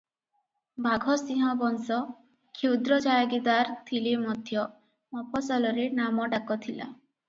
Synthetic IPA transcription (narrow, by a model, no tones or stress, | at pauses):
bʱaɡʱɔsĩɦɔbɔnsɔ | kʰewd̪ɾɔd͡ʒajaɡid̪aɾt̪ʰilimɔd̪ʱjɔ | mɔpʰɔsalɔɾenamɔɖakɔt̪ʰila̰